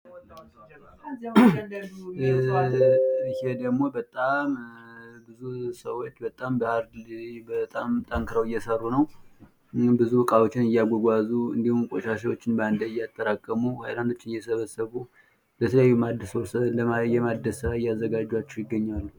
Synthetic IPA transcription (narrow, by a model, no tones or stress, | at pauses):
hed̪əɡmo̞bət̪ʼambɨzusəwot͡ʃːbət̪ʼambəhaɾdbət̪ʼamt̪ʼəŋkʰɨɾəwɪjːɛsərːunəw | bɨzuɨkʼawot͡ʃːɪnɨjːaɡʷɔɡʷazuɨ̰nd̪ihumkʼo̰ʃaʃ̬awot͡ʃːɪnbəand̪əɪjːat̪ʼːəɾakʼːəmuhajland̪o̞t͡ʃːɪnɨjɛsəβəsːəβu | lət̪ʰələjajːumad̪ːəswosɨnd̪əjɛmad̪ːəsɨɾaɪjːazːəɡad͡ʒːwat͡ʃːɛwjɪɡːəɲːalːu